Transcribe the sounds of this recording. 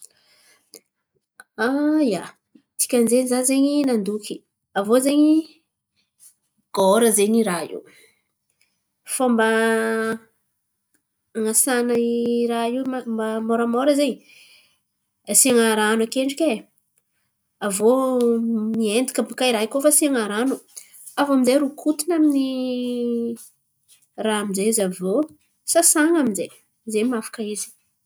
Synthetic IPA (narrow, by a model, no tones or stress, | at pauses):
aja | t̪i̥kʲanzeɲizazeɲinand̪ukʲi̥ | avozeɲi | ɡ̥oɾəzeɲiɾaḭw | famba | ŋasanaiɾaiwmmbamoɾəmoɾəzeɲi | siaŋaɾanakeɳɖ͡ʐikʲe | avo | miend̪ikʲampukaiɾaikofasiaŋaɾanu | avaminzejɾukʰut̪inamini | raamizezavo | sasaŋaminzej | zemafḁkaizi̥